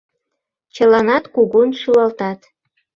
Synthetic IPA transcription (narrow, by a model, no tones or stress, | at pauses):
t͡ɕə̆lɑnɑt̪kuɣunʃulɑlt̪ɑt̪